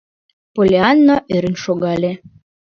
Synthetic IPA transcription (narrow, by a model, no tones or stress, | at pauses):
polʲeɑnːoʔøɾɘ̆nʃoɣɑlʲe